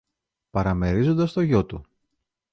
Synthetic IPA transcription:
pɐɾɐme̞ɾizo̞nd̪ɐst̪o̞ʝo̞t̪u

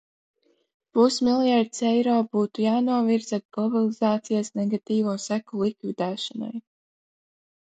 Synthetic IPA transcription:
pusmilˠjaɾd̪sɛjɾoːbuːt̪ujaːnuɔviɾz̥at̪̚ɡlˠɔbalˠizaːt̪sijasnɛɡat̪iːvuɔsækulˠikvid̪æːʃana̰j

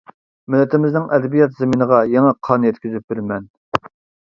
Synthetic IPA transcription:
mɪlːɪt̪ʰɪmɪznɪŋʔɛd̪ɛbijɑt̪zeminəʁɑjɛŋɛqʰɑnjɛt̪̚kʲyzyp̚bɪɾmɛn

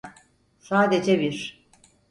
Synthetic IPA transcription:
saːd̪ed͡ʒɛbiɾ

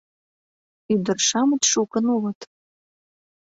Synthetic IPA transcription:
yd̪ə̆rʃɑmət̪ʃukə̆nulɤ̆t̪

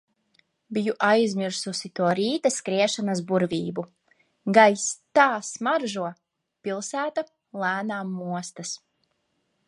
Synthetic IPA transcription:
bijuʔajzʲmiɾsusit̪uɔɾiːt̪askɾiɛʃanasbuɾvʲiːbu | ɡajst̪aːsmaɾʒuɔ | pilˠsæːt̪a | lˠæːnaːmːuɔst̪as

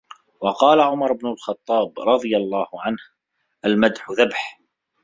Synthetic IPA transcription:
wɑqɑːlaʕʊmɑɾˤʊbnʊlxɑt̪ˤːɑːbɾˤɑðˤɨjalˤːɑːhʊʕanh | ʔalmad̪ħʊðabħ

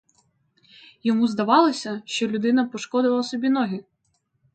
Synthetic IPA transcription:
jɔmuzd̪ɐʋɑlˠɔsʲɐʃt͡ʃɔlʲʊd̪ɪnɐpɔʃkɔd̪ʊʋɐlˠɐsɔbʲinɔɦʲi

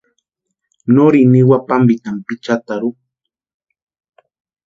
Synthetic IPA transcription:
noɾiniwapambit̪ampit͡ʃat̪aɾu

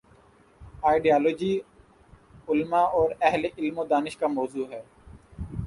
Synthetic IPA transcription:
aːɪɖijaːloːd͡ʒiː | ʊlmaɔːɾɛɦleʔɪlmod̪aːnɪʃkamɔːzuːɦɛː

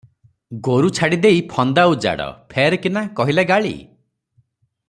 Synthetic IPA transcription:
ɡoɾut͡ʃʰaɽid̪ejpʰɔnd̪aud͡ʒa̰ɽɔ̰pʰeɾkinakɔɦileɡaɭḭ

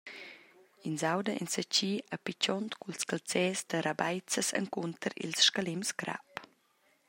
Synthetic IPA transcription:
inzawdəʔɛ̰nsət͡ɕiːapit͡ʃɔnt̪kulskalt͡sɛːsd̪əɾabajt͡səsə̰ŋkunt̪əɾḭlsʃkalimsɡɾa̰p

